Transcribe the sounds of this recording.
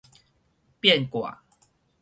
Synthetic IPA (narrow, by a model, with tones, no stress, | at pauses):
pjɛ˥˨nkwa̰˨˩